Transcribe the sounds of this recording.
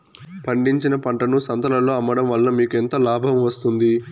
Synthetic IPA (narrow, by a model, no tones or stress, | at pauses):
pʰɐɳɖiɲt͡ʃinɐpɐɳʈɐnusɐnt̪ɐlɐloːɐmːɐɽɐmʋɐlːɐmiːkent̪ɐlaːbʱɐmʋɐst̪und̪i